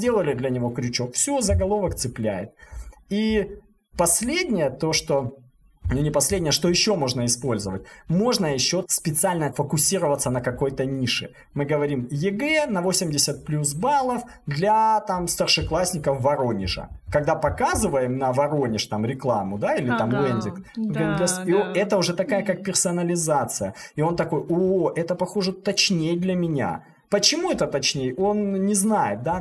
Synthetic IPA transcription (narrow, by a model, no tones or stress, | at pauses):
dʲe̞lˠəlʲɪd̪lʲɐnʲɪvo̞kɾʲɪt͡ɕo̞kfsʲozəɡɐlˠo̞vəkt̪sɨplʲæjɪ̰t̪̚i | pɐsʲlʲedʲnʲɪjət̪o̞ʂt̪o | nunʲɪpɐsʲlʲedʲnʲɪjəʂt̪ojɪɕːo̞mo̞ʐnəɪspo̞lʲzəvət̚ʲmo̞ʐnəjɪɕːo̞spʲɪt̪sɨalʲnəfəkʊsʲiɾəvət̪sənəkɐko̞jt̪ənʲiʂɨ̰ | mɨɡəvɐɾʲimjɪɡɛnɐvo̞sʲɪmʲdʲɪsʲət̪̚plʲus̬balˠəf | d̪lʲɐt̪amst̪ərʂɨklˠasʲnʲɪkəfvɐɾo̞nʲɪ̰ʐə̰kɐɡ̚d̪apɐkazɨvəjɪmnəvɐɾo̞nʲɪʂt̪amɾʲɪklˠamʊd̪ailʲɪt̪amlenʲd̪ʲɪk̪ɡənʲdʲesiɛt̪əʊʐɛt̪ɐkajəkak̚pʲɪrsəɐnəlʲɪzat̪sɨjəɪo̞nt̪ɐko̞joʔɛt̪əpɐxo̞ʐɨt̪ɐt͡ɕnʲejd̪lʲɐmʲɪnʲa̰ | pət͡ɕɪmuɛt̪ət̪ɐt͡ɕnʲejəo̞nnʲɪznajɪt̪̚d̪a